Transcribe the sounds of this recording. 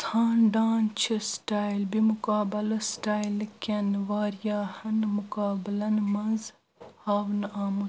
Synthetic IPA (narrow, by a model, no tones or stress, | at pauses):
t̪ʰaːnɖaːnt͡ʃʰisʈaːjlbimukaːbɐlɐsʈaːjlkʲenʋaːɾjaːhɐnmukaːblɐnmɐnz | haːwnaːmu